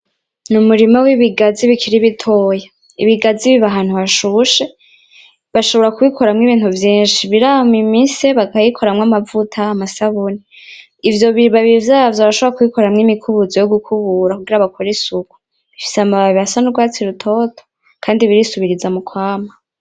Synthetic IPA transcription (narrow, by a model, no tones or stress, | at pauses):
numuɾimawiβiɡaziβikʰiɾiβitʰo̞ːja | iβiɡaziβiβaɦaːn̥huβaʃuʃe̞ | βaʃo̞βo̞ɾakuβikʰo̞ɾamŋiβiːn̥uvjiːnʃiβiɾamimiseβakajikʰo̞ɾamŋamavutʰaːmasaβuni | ivjo̞βiɾiβaβivjaːvjoβaɾaʃoβoɾakuβiko̞ɾamŋimikʰuβuzojoɡukʰuβuɾakuɡiɾaβakʰoɾisuku̥ | βifi̥samaβaβiasanuɾɡwaːt͡siɾutʰo̞tʰo̥ | kʰaːndiβiɾisuβiɾizamukʰwaːma